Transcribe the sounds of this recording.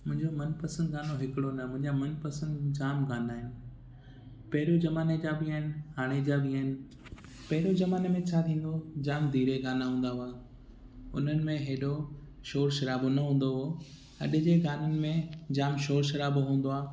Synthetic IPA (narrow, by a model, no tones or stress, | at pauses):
mʊ̃ɦɪ̃ɲd͡ʑomɐnpɐsə̃nd̪ɡaːnoɦɪkɪɽonɐmʊ̃ɦɪ̃ɲd͡ʑamɐnpɐsə̃nd̪d͡ʑaːmɡaːnaːɦɪnɪ̆ | pɐɦɪɾod͡ʑɐmaːned͡ʑaːbiaːɦɪnɪ̆haːɽ̃ed͡ʑaːbiaːɦɪnɪ̆ | pɐɦɪɾozɐmaːnemẽt͡ɕʰaːt̪ʰĩːn̆d̪od͡ʑaːmd̪ʱiːɾeɡaːnaɦũːn̆d̪aɦʊaː | ʊn̤ənɪ̆mẽɦeːɗo | ʃoːɾʃɐɾaːbonɐɦũːn̆d̪oɦo | ɐ̰ɗɪ̆d͡ʑeːɡaːnənɪ̆mẽd͡ʑaːmʃoːɾʃɐɾaːbɦũːn̆d̪oaː